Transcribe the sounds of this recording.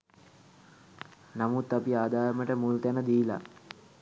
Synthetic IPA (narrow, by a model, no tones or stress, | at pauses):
namut̪ːapiaːd̪aːɾəməʈəmult̪ænəd̪iːla̰